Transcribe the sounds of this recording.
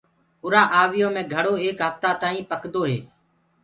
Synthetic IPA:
ʊɾaːʔaːʋɪjoːmẽːɡʱəɽoːeːkɦəft̪aːt̪aːĩːpəkd̪oːɦḛː

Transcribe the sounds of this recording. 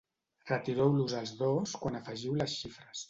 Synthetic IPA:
rət̪iɾɛwluzəlˠzðoskwanəfəʒiwləsʃifɾəs

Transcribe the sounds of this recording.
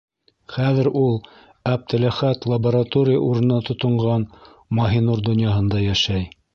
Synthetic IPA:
χæðɘ̆ɾulˠ | æp̚t̪ɘ̆læχæt̪lˠɐbɐɾat̪oɾʲɪjə̰ʔuɾɤ̆nɑt̪ʰŏt̪ŏɴʁɑn | mɑɦinuɾd̪ŏnjɑɦɤ̆nd̪ɑjæʃæj

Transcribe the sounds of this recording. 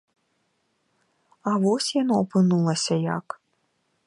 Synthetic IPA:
avɔsʲjanɔːpɨnulˠɐsʲɐja̰k

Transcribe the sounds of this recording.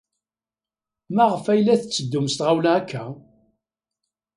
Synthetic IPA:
mæʁəfæjlːæθət͡sːəd̪ːʊməst̪ʁawlæækʰːæ

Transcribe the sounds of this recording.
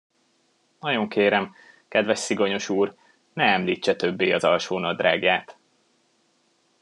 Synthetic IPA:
nɒjo̞ŋkeːɾɛm | kɛd̪ʋɛʃsiɡo̞ɲo̞ʃuːr | nɛɛmliːt͡ʃːɛt̪ø̞bːeːɒzɒlʃoːnɒd̪raːɡjaːt̪

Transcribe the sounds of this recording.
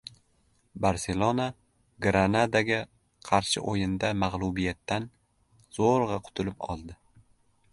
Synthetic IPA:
baɾse̞lˠona | ɡɾanad̪aɡʲa | qʰɑɾʃɪ̰ʔojɪnd̪amaʁlˠubijat̪ːan | z̥oɾʁɑqʰʊ̥t̪ʰʊlɪpɒ̰lˠd̪ɪ

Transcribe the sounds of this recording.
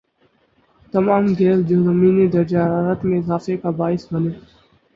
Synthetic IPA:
t̪əmaːmɡʱeːsd͡ʒoːzəmiːniːd̪əɾd͡ʒaːɾaːɾət̪mẽːɪzaːfekaːbaːɪsʋəneː

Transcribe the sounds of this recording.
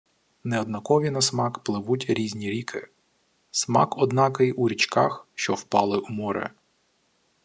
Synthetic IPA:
nɛɔd̪nɐkɔʋʲinɐsmɑkplˠɪʋutʲɾʲizʲnʲiɾʲikʰɪ̰ | smɑ̰kɔd̪nɑkɪjʔuɾʲit͡ʃkɑxʃt͡ʃɔwpɑlˠɪʔumɔɾɛ̰

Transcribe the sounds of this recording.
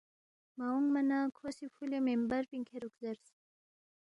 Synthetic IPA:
mawuŋɡmanakʰosifulemembaɾpiŋkʰeɾukzaɾs

